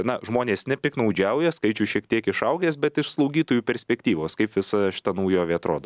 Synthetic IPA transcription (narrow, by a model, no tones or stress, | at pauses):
nɐʒmoːnʲeːsnʲɛpʲɪknɐʊd͡ʒʲɛʊjɛskɐɪt͡ʃʲʊʃʲiɛkt̪ʲiɛkɪʃɐʊɡʲeːsbʲɛt̪ɪʃslˠɐʊɡʲiːt̪oːjuːpʲɛɾʲsʲpʲɛkt̪ʲiːʋoːskɐɪpʋʲɪsɐʃʲɪ̥t̪ɐnɐʊjoːʋʲiɛɐt̪ɾoːd̪oː